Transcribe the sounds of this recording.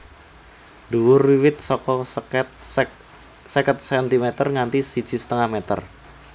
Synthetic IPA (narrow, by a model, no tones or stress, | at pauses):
duwʊriwɪt̪̚sɔkɔt̪ | səkət̪̚sɛnt̪imɛt̪ərŋant̪isi̥d͡ʒ̥i̤sə̥t̪əŋahmet̪ə̰r